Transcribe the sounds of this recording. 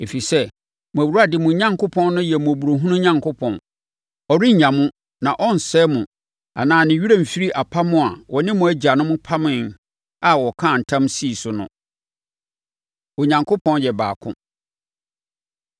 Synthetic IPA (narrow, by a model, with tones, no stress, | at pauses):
e˨fi˨sɛ˦ | mʊ̃˨æ˨wu˨ɾa˦dɪ˨mʊ̃˨ɲã˦ŋkʰʊ˦pʰɔ̃˦n˦nʊ̃˦jɛ˨mʊ̃˨æ˨bu˨ɾo˨ɦũ˦nʊ̃˦ɲã˨ŋkʰʊ˦pʰɔ̰̃˨n | ɔ˨ɾɪ˦ɲ̩˨ɲã˨mʊ̃˦ | nã˨ʔɔ˦n̩˨sɛː˦mʊ̃˨ | a̰˨nãː˨˦˨nɪ̃˨ɥu˦ɾã˦m̩˨fi˦ɾi˦ʔa˨pʰa˦mʊ̃˦˨a˨wɔ˨nɪ̃˦mʊ̃˨æ˦d͡ʑa˨nʊ̃˦mʊ̃˦pʰa˦mɪ̃˦˨n | a˨wɔ˨kʰã˦˨n̩˨tʰã˦msi˦˨sʊ˨nʊ̰̃˦ | o˨ɲã˨ŋkʰʊ˦pʰɔ̃˦njɛ˨ba̰ː˨kʰʊ̰̃˦